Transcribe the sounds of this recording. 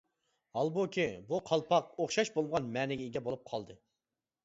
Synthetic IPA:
hɑlˠbokʲʰibuqʰɑlˠpʰɑqoχʃɑʃbolˠʁɑnmɛːnɪɡʲɪɡʲɛbolˠup̚qʰɑlˠd̪ɨ

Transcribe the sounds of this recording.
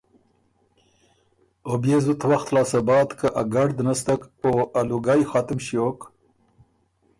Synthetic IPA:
objezut̪waxt̪lɑːsabɑːt̪kaʔaɡaɖd̪nast̪akoaluɡajxat̪ɪmɕjok

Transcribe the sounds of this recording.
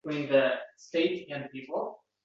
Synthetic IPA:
wĩnðɨsteɪtɨ̃npipl̩ˠ

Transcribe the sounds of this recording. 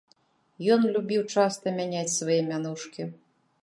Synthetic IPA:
jɔnlʲubʲiwt͡ʂast̪ɐmʲanʲat͡sʲsvajɛmʲanuʂkʲi

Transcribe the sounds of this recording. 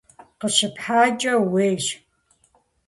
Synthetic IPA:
qəʃɪpħaːt͡ʃʼɐweːʃ

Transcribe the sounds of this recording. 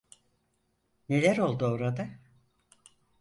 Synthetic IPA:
ne̞lʲæɾo̞lˠd̪uoɾad̪a

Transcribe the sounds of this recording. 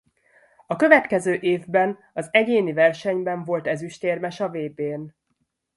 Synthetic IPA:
ɒkø̞vɛt̪kɛzøːʔeːvbɛn | ɒzɛɟeːnivɛrʃɛɲbɛɱvo̞lt̪ɛzyʃt̪eːrmɛʃɒveːbeːn

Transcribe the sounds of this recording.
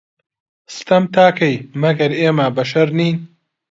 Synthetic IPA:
st̪ɐmt̪ʰaːkɐjmɐɡɐɾeːmabɐʃɐɾniːn

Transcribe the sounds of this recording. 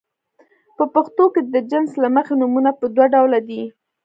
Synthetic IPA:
pəpaxt̪oked̪əd͡ʒɪnslaməxenumunapəd̪waɖawlad̪i

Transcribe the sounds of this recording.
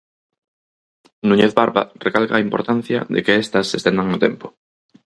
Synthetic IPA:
nũɲeθβaɾβa̰rekalka̰ːimpo̞ɾt̪an̟θja̰ðḛkeest̪asːest̪end̪aŋnot̪empo̥

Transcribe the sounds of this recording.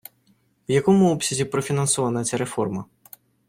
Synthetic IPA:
wjakɔmʊɔpsʲɐzʲipɾɔfʲinɐnsɔvanɐt̪t͡sʲaɾɛfɔrmɐ

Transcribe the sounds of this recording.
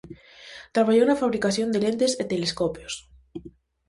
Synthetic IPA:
t̪ɾaβaʝonafaβ̞ɾikaθjond̪elent̪eset̪eleskopjos

